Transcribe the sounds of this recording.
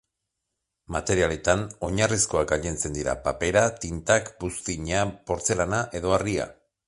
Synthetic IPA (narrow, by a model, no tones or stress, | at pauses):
mat̪e̞ɾiale̞t̪ano̞ɲarisko̞akɡaʎent͡se̞nd̪iɾa̰pape̞ɾat̪int̪akbust̪iɲapo̞ɾt͡se̞lanaʔe̞ðo̞aria̰